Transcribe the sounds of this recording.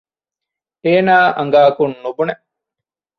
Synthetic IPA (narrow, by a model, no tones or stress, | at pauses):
eːnaːʔɐŋɡaːkunːubune